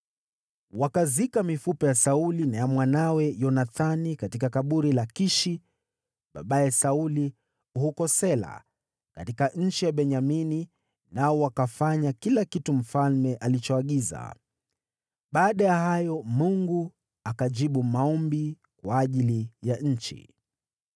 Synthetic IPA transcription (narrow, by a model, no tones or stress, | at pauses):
wakazikamifupɛjasaulinajamwanawɛjɔnaθanikatikakaɓuɾilakiʃi | ɓa̰ɓajɛsauli | uhukɔsɛla̰ | katikaɲ̩t͡ʃijaɓɛɲamini | naɔwakafaɲakilakitum̩falmɛʔalit͡ʃɔaɠiza̰ | ɓaːɗajahajɔmuŋɡu | akaʄiɓumaɔmbi | kwaːʄilijaɲ̩t͡ʃḭ